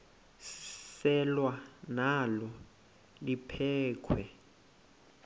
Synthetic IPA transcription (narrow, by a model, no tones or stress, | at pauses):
ssɛlwanalɔ | lipʰɛːkʰwɛ